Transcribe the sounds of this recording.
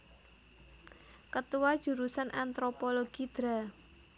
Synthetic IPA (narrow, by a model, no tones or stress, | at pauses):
kət̪uwad̥ʒ̥ṳɾusanʔant̪ɾopoloɡ̥id̪̥ɾa